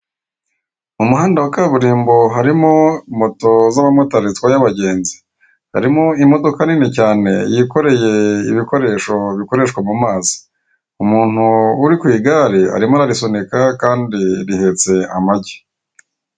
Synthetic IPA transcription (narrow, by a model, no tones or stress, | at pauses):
umuɦaːndawakaβuɾiːmbo̞ɦaɾimomo̞to̞zamamotaɾit͡skwajaβaɟe̞ːnzi̥ | ha̰ɾimo̞imo̞do̞kaninicaːne̞̰jiko̞ɾe̞je̞iβiko̞ɾe̞ːʃo̞βiko̞ɾe̞ːʃkwamumaːzi̥ | umuːn̥uːɾikwiːɡaːɾia̰ɾimonaɾiso̞nekakaːndiɾihe̞t͡se̞amaɟe